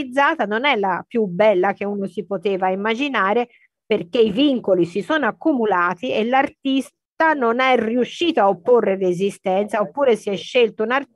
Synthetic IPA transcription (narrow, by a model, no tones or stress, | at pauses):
id̪zːaːt̪anonɛlːapjubɛlːakeunosipot̪eːvaimːad͡ʒinaːɾe | perk̟eiviŋkolisisɔːnoakːumulaːt̪ielːart̪is | t̪anonɛriuʃːiːt̪oaopːorːeɾezist̪ɛnt̪saopːuːɾesiɛʃːelt̪ounar